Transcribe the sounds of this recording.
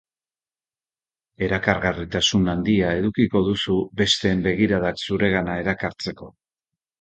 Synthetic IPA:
e̞ɾakaɾɣarit̪asunand̪iae̞ðukiko̞ðusube̞st̪e̞ːmbe̞ɣiɾaðaksuɾe̞ɣanae̞ɾakaɾt͡se̞ko̞

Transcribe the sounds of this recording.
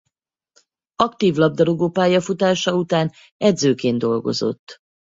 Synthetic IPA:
ɒkt̪iːvlɒb̚d̪ɒɾo̞ɡoːpaːjɒfut̪aːʃɒut̪aːn | ɛd̪zøːkeːnd̪o̞lɡo̞̰zo̞̰t̪ː

